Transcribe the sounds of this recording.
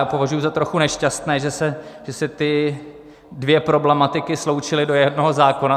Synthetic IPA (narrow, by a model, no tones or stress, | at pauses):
aːpo̞vaʒujuzat̪ɾo̞xunɛʃcast̪nɛːʒɛsɛʒ̥ɛsɪt̪ɪ | dvjɛpɾo̞blɛmat̪ɪkɪslo̞wt͡ʃɪlɪdo̞jɛdno̞ɦo̞zaːko̞na